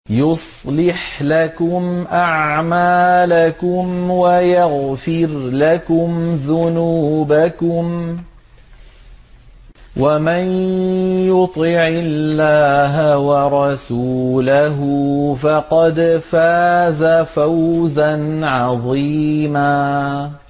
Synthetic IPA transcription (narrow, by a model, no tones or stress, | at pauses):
jʊsˤlɪħlakʊmʔaʕʕmaːlakʊmwajaɣfɪɾlakʊmðʊnuːbakʊm | wʔamanjʊt̪ˤɪʕɪlːaːɦawɑɾˤɑsuːlaɦʊfɑqɑd̪faːzafawzanʕɑðˤiːmaː